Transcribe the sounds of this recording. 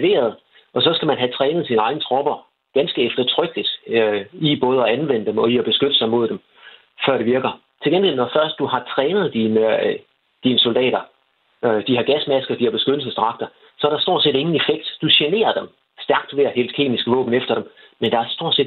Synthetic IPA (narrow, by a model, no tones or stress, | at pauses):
ʋe̝̰ːɐð̞ˠ | ʔɒ̽sɒ̽sɡ̥æmænɦæt͡sʰʁɛːnəð̞̩ˠsinɑ̈ɪnət͡sʰʁɒ̽b̥ɐ | ɡ̥ænsɡ̥əefd̥ɐt͡sʰʁœɡ̥lid̥ | ib̥ɔ̽ːð̞̩ˠɒ̽ænʋen̰əd̥emɒ̽iɒb̥e̝sɡ̥ød̥əsɑ̈ɪmo̝ð̞̰ˠd̥em | fɶɐɾ̥e̝ʋiɐɡ̥ɐ | t͡sʰe̝lɡenɡel̰nɒfɶɐsd̥d̥uhɑ̈t͡sʰʁɛːnð̞̩ˠd̥in | d̥inəso̝ld̥ɛ̰ːɾɐ | d̥ihɑ̈ɡ̥æsmæsɡ̥ɐd̥ihɑ̈b̥e̝sɡ̥ød̥l̩səsd̥ʁɑ̈ɡ̥̚d̥ɐ | sɒ̽ɐɾ̥ɑ̈sd̥o̝ɐ̰̥se̝̰ːde̝ŋn̩e̝feɡ̥d̥d̥uɕene̝̰ːɐd̥em | sd̥æɐɡ̥d̥ʋe̝ɐhe̝ːld̥̚kʰe̝̰ːmisɡ̥əʋɔ̰̽ːb̥n̩efd̥ɐd̥em | mend̥ɑ̈æɐsd̥o̝ɐ̰se̝̰ːd